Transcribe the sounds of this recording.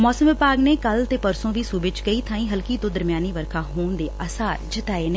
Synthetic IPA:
mɔːsəmʋɪpaːɡneːkəlt̪eːpəɾsõːʋiːsuːbɪt͡ʃkəiːt̪ʰãːĩːɦəlkiːt̪õːd̪əɾmjaːniːʋəɾkʰaːɦoːnd̪eːʔəsaːd͡ʒɪt̪aːeːne

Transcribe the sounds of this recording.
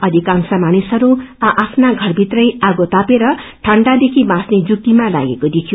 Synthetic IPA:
ʌd̪ʱikãŋsʌmanisɦʌɾuaʔapʰnaɡʱʌrbʱit̪rʌjaɡot̪apeɾʌʈʰʌɳɖad̪ekʰimãsned͡zuk̚t̪imala̰ɡekod̪ik̪ʰjo

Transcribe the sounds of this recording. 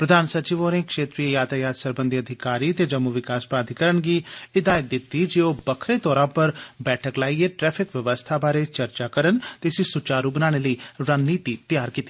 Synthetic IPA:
pɾəd̪ʱaːnsət͡ʃiʋoːnekʂeːt̪ɾiːejaːt̪ʰaːjaːt̪səɾbə̃nd̪iəd̪ʱɪkaːɾiːt̪eːd͡ʒəmːuʋɪkaːspɾãːd̪ʱikəɾənɡiːɪd̪aːəd̪ɪt̪ːid͡ʒeːoːbəkʰɾet̪ɔːɾãːpəɾbɛːʈʰəklaːieːʈɾɛːpʰɪkʋjəʋəst̪ʰaːbaːɾet͡ʃəɾt͡ʃakəɾənt̪esisʊt͡ʃaːɾubənaːɽ̃eləiːɾaːnːiːt̪it̪jaːɾkiːt̪i

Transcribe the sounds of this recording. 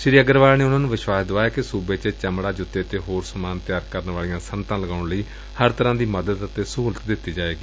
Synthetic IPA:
ʃɪɾiːəɡəɾʋaːlːneːʊnãːnũːʋɪʃʋaːsd̪oaːjaːkɪsuːbeːt͡ʃət͡ʃəmɽaːd͡ʒʊt̪ːeːt̪eːɦoːɾsəmaːnt̪jaːɾkəɾnʋaːlijãːsənt̪ãːləɡaːʊɳləiː | həɾt̪əɾãːd̪iːməd̪əd̪ət̪eːsːlət̪d̪ɪt̪ːiːd͡ʒaːʋeːɡiː

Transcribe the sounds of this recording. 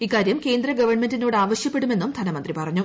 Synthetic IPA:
ikːaːɾjɐmke̞ːnd̪rɐɡɐʋɐrɳmendino̞ːɽaːʋɐɕjɐpːeɽume̞nːumd̪ʱɐnɐmɐnd̪ripɐrɐɲːu

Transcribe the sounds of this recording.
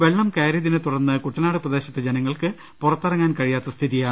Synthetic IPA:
ʋe̞ɭːɐmkeːɾɐðinɨt̪uɽɐnːɨkuʈːɐnaːɽɨprɐd̪e̞ːɕɐt̪ːed͡ʑenɐŋːɐɭkɨ | purɐt̪ːɐrɐŋːaːnkɐɻijaːt̪ːɐst̪ʰiðijaːɳɨ

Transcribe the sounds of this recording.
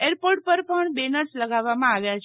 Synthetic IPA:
eɾpoɾʈ̚pəɾpəɳbenəɾsləɡaʋːamãaʋjat͡ʃʰ

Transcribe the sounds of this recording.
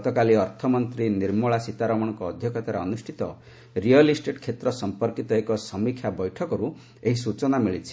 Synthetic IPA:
t̪ɔkaliɔɾt̪ʰɔmɔnt̪ɾiniɾmɔɭasit̪aɾɔmɔɽ̃ɔŋkɔːd̪ʱjɔkʰɔt̪aɾaɔnusʈʰit̪ɔ | ɾiɔlisʈeʈkʰet̪ɾɔsɔmpɔɾkit̪ɔekɔsɔmikʰjabɔjʈʰɔkɔɾu | eɦisut͡ʃɔnamiɭit͡ʃʰi̥

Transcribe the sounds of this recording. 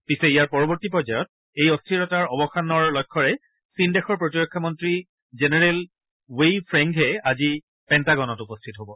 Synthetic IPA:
pisɛijaɹpɔɹɔbɔɹtipɹɔjzajɔt̚ | ejɔstʰiɹɔtaɹɔbɔxanɔɹlɔjkʰːɔɹɛ | sindɛxɔɹpɹotiɹɔkʰːɔmɔntɹi | zenɛɹɛl | wejpʰɹɛŋkɦɛazi | pɛntaɡɔnɔtupɔstʰitɦobɔ

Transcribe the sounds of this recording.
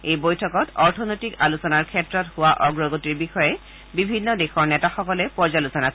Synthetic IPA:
ejbojtʰɔkɔtɔɹtʰɔnojtikalusɔnaɹkʰɛtɹɔthʊwaʔɔɡɹɔɡotiɹbixɔjɛ | bibʱinːɔdexɔɹnɛtaxɔkɔlɛpɔɹzalusɔnas

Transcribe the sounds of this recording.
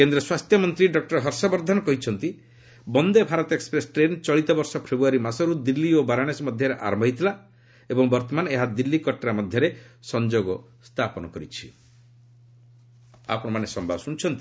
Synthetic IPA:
kend̪ɾɔswast̪ʰjɔmɔnt̪ɾiɖɔk̚ʈɔɾɦɔɾsabɔɾd̪ʱanɔkɔɦit͡ʃʰɔnt̪i | bɔnd̪ebʱaɾɔt̪ekspɾesʈɾent͡ʃɔɭit̪ɔbɔɾsɔpʰebɾuaɾimasɔɾud̪ilːiobaɾaɽ̃esɔmɔd̪ʱjɔɾeʔa̰ɾɔmbɔɦit̪ila | ebɔŋbɔɾt̪ɔmaneɦad̪ilːikɔʈɾamɔd̪ʱjɔɾesɔnd͡ʒoɡɔ | st̪ʰapɔnɔkɔɾit͡ʃʰi̥ | a̰pɾɔmanesɔmbʱabɔsuñt͡ʃʰɔnt̪i̥

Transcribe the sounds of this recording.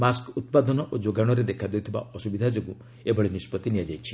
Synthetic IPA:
maskut̪̚pad̪ɔnɔʔod͡ʒoɡaɽ̃ɔɾed̪ekʰad̪eut̪ʰiba̰ɔsubid̪ʱad͡ʒoɡu | ebʱɔɭinispɔt̪inijad͡ʒajt͡ʃʰi̥

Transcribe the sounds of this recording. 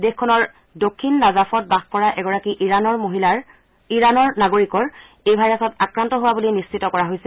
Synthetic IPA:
dexkʰːɔnɔɹ | dokʰːinːazafɔt̚baxkɔɹaʔɛɡɔɹakiʔiɹanɔɹmoɦila | iɹanɔɹnaɡoɹikɔɹ | ejbʱajɹasɔtakɹantɔɦowabulijnist͡ʃitɔkɔɹaɦojsɛ

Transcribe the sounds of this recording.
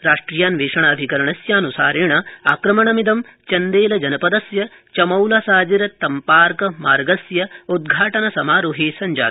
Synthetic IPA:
ɾaːʂʈɾijaːnʋeːʂɐɳɐːbʱikɐɾɐɳɐsjaːnusaːɾeːɳɐaːkɾɐmɐɳɐmid̪ɐmt͡ʃɐnd̪eːlɐd͡ʒɐnɐpɐd̪ɐsjɐ | t͡ʃɐmɐwlɐsaːd͡ʒiɾɐt̪ɐmpaːɾkɐmaːɾɡɐsjɐud̪̚ɡʱaːʈɐnɐsɐmaːɾuɦiːsɐɲd͡ʒa̰ː

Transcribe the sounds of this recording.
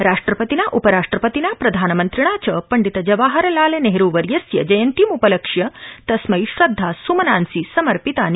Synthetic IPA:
ɾaːʂʈɾɐpɐt̪inaʔupɐɾaːʂʈɾɐpɐt̪inapɾɐd̪ʱaːnɐmɐnt̪ɾiɳ̃at͡ʃɐpɐɳɖit̪ɐd͡ʒɐʋaːɦɐɾɐlaːleneɦɾuːʋɐɾjɐsjɐd͡ʒɐjɐnt̪imupɐlɐkʂjɐt̪ɐsmɐiʃɾɐd̪ʱːaːsumɐnaːnsiːsɐmɐɾpit̪aːn

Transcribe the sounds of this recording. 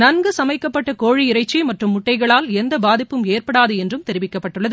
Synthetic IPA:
nɐnɡɯsɐmɐɪkːɐpːɐʈːɐkoːɻiɪɾɐɪt͡ʃːimɐʈrɯmːʊʈːɐɪɣɐɭaːlɛnd̪ɐbaːðɪpːɯmeːrpɐɽaːðɯɛndrɯmt̪ɛɾɪʋɪkːɐpːɐʈːɯɭːɐðɯ

